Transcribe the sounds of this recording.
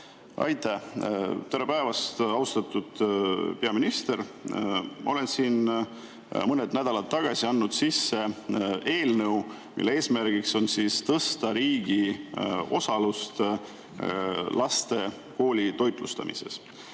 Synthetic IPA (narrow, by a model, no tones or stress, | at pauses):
ʔɑ̰jt̪ˑæt̪oɾe̞pæevɑst̪ɑwst̪ɑt̪ːˑud̪̥pe̞ɑminist̪e̞ɾ | mɑ̰o̞le̞nsiːn | mɤned̪næd̪̥ɑlɑt̪ːɑɡ̥ɑsʲiɑnːud̪̥sisːe̞e̞ːlnɤw | mḭlːeeːsmærɡ̥ikso̞nsiːst̪ɤst̪ɑɾiːɡ̥i | o̞̰sɑlust̪ | lʔɑst̪e̞ | ko̞ːlʲit̪o̞jt̪ˑlust̪ɑ̰mḭse̞̰s